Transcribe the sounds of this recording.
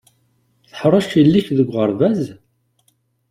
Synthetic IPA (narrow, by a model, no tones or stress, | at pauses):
θəħɾˤɑʃilːiçðəɡʷʁəɾˤvæz